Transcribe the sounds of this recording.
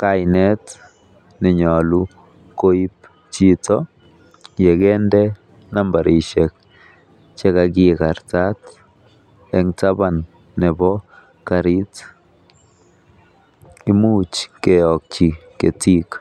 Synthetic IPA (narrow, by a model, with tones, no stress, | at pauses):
ka˦jne˦t | nɛ˨ɲɔ˨lu˦ | ko˦jp̚ | t͡ʃi˦t͡so˦ | je˨ɡe˦nde˦ | na˦mba˨ɾi˨ʃe˨k̚ | t͡ʃe˦ka˧ɡi˧ka˨ɾt͡sa˦t | e˧ŋt͡sa˦ba˨nː | ɛ˨bɔ˦ | ka˧ɾi˦t͡s | i˨mu˦t͡ʃke˨ɔ˨k̚t͡ʃi˨ke˨t͡si˦k